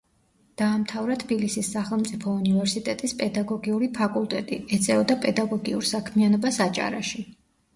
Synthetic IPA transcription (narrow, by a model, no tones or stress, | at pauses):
d̪̥aːmt̪ʰavɾat̪ʰbilisisːaχɛlˠmt̪sʼipʰɔunivɛɾsit̪ʼɛt̪ʼispʼɛd̪aɡɔɡiuɾipʰakʼulˠt̪ʼɛt̪ʼiɛt̪sʼɛɔd̪apʼɛd̪aɡɔɡiṵɾsakʰmianɔbasat͡ʃʼa̰ɾa̰ʃi